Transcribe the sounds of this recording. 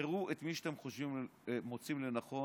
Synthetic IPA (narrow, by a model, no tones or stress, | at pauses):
eʁuʔet̪miʃt̪emχoʃvimmo̞t͡simlenaχo̞